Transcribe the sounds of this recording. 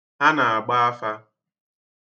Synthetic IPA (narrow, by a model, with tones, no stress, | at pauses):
a˦na˨a˨ɡ͡ba˦a˦fa˦